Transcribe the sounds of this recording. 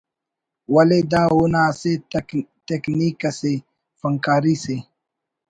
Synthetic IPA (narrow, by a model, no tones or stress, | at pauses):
wɐled̪aːunaːset̪ekniːkɐse | fɐŋkaːɾise